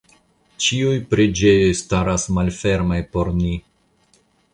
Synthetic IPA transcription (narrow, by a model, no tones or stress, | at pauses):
t͡ʃiujpɾed͡ʒe̞jo̞jstaɾasmalfe̞ɾmajpo̞ɾni